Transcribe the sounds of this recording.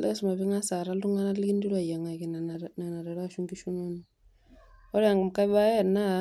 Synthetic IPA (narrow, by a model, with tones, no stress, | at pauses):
lʔɛ̰˦sma˨βi˦ŋa˦sa˨ɾa˦lu˦ŋa˦na˦lki˦ndi˦ɾa˨ja˨ŋa˨ki˨nna˨na˨ɾɛ˨ɾa˦˨ʃu˦ŋɡi˦ʃu˦no˦n | ɔ˦ɾɛ˦a˨ŋɡu˨mka˦ba˦ɛ˦na˦